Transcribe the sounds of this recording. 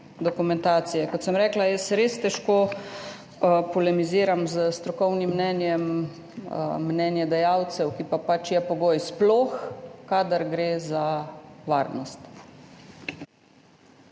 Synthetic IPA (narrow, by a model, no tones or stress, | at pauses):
d̪ɔkumɛ̃nt̪aːt̪sijɛkɔt̪səmɾɛːklajɛsɾeːst̪ɛʃkoː | pɔlɛmiziːɾamzəst̪ɾɔkɔwnimːnɛnjɛm | nɛnjɛd̪ɛjawt̪sɛwkipapat͡ʃjɛpɔɡoːjsplɔːxkad̪aɾɡɾeːzaʋaːɾnɔst̪